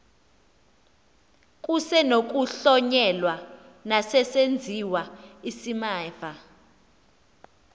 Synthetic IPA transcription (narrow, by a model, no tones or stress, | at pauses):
k̬ʼusɛnok̬ʼuɬɔɲɛlwanasɛsend͡zʱiwaisimaːfa